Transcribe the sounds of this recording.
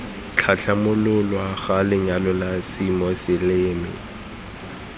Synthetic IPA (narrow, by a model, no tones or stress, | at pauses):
t͡ɬʰaɬʰamʊlʊlɔaxalɪɲalɔlasimɔsɪlɪːmɪ̰